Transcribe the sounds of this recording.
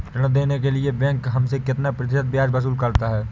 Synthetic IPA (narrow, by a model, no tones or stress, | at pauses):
t͡ʃɐɽ̃əd̪eːnek̬eliebɛ̃ːŋkɦɐmsekɪt̪napɾɐt̪ɪʃət̪̚bjaːd͡ʒbɐs̬uːlkɐɾt̪aɦɛː